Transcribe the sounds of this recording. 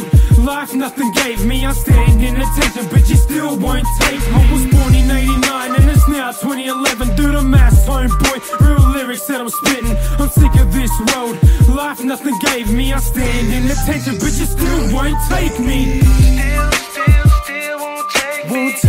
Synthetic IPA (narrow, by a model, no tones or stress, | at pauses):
lafnʌθɪ̃ŋɡeɪvmiãɪstæ̃ɪ̃ndɨ̃nɨtʰɛ̃nʃɨ̃nbʌt͡ʃɨstɪlˠwõʊ̃ntʰeɪkmʌ̃wʌzmɔɹninãɪ̃ɾ̃inãɪ̃nɨ̃nɨtsnaʊtʰw̥ɛ̃ɾ̃iɨlɛvɨ̃nθʉɾəmæshõʊ̃mbɔɪɹɪlɪɹɨksɨɾãɪ̃mspɪ̃ɾɪ̃nãɪ̃msθɪ̃kɨ̃ðɪsɹɜ˞lˠd̥̚læfnʌθɪ̃ŋɡeɪvmiaɪstæ̃ɪ̃ŋdɨ̃nɨtʰɛ̃nʃɨ̃nbʌt͡ʃɨstɪlˠwõʊ̃ntʰeɪkmi | wõʊ̃nʰ